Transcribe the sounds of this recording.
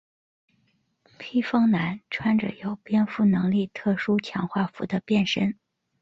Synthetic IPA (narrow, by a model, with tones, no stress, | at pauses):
pʰi˥fɤ˥ŋna˧˥nʈ͡ʂʰwa˥nʈ͡ʂə̰˨˩jo˨˩ʊpjɛ˥nfu˥˩nɤ˧˥ŋli˥˧t̪ʰɤ˥˩ʂu˥t͡ɕʰjɑ˧˥ŋxwa˥˩fṵ˧˥d̪ə˧pjɛ˥˩nʂə˥n